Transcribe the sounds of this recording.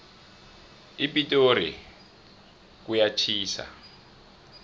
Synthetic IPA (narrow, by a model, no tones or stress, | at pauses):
ipʼitʼoɾḭ | kujat͡ʃʰiːsa̰